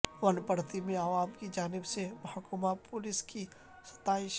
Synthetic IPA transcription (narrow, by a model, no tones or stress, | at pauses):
ʋɐnpɐɽt̪imẽaːʋaːmkid͡ʒaːnɪbsemɐɦakʊmapʊlɪski | sɐ̥t̪aːɪʃ